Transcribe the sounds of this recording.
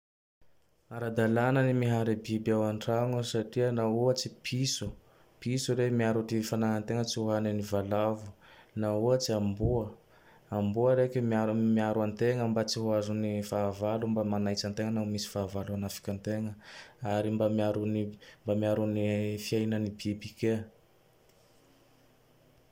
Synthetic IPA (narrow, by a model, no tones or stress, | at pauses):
aɾad̪alanənimiɦaɾibibawaɳʈ͡ʂaŋusaʈ͡ʂiənauət͡sipʰisu | pisuɾemiaɾuʈ͡ʂifanaɦant̪eŋət͡siuɦananivalavu̥nauət͡siambuə | ambuəɾekemiaumiaɾant̪eŋəmbat͡siɦuazunifavalumbamanajt͡sant̪eŋənamisi̥vavalanafḁkʲant̪eŋəaɾimbamiaɾunimbamiaɾunifiajnənibibike